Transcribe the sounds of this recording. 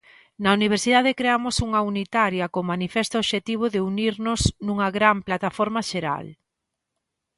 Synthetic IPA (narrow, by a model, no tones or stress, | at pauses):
nɐuniβ̞eɾsiðað̞ekɾeamʊsuŋɐunit̪aɾjɐkomanifest̪oβʃet̪iβ̞ʊðeuniɾnʊsnuŋɐɣɾamplat̪afɔɾmaʃeɾa̰l